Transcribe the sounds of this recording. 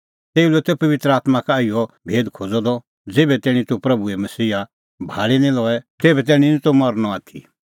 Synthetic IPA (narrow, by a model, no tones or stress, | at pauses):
t̪eːulɛt̪ɛpɐʋɪt̪ɾəaːt̪makaɪjɔ | bʱeːd̪kʰoːd͡zɔd̪ɔ | d͡zeːbɛt̪ɛːɽ̃ĩt̪upɾɐbuɛmɐsiːa | bʱaːlinĩlɔːɛt̪eːbɛt̪̬ɛːɽ̃ĩnĩt̪omɐɾnɔaːt̪ʰi